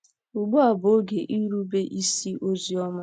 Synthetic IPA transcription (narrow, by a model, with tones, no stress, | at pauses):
u˨ɡ͡bʊ˦a˨bo˨o˦ɡe˨ʔi˦ɾu˦be˦ʔi˦si˦ʔo˦zi˦ɔ˦ma˦